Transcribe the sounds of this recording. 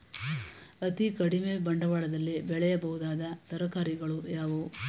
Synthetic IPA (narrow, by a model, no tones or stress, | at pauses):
ɐt̪ikɐɽimebɐɳɖɐʋaːɭɐd̪ɐlːibɛɭɛjɐbɐɦud̪aːd̪ɐt̪ɐɾɐkaːɾiɡɐɭujaːʋoː